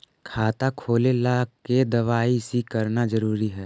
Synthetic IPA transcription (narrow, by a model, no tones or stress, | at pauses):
kʰaːt̪akʰoːlelaked̪ɐʋaːisikɐɾnazɐɾuːɾiɦɛː